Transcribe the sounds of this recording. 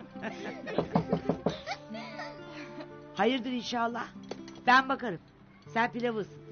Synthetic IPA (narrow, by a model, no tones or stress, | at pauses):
hajɯɾd̪ɯɾinʃaːlˠːahb̥ænbakaɾɯm | sænpilʲavɯz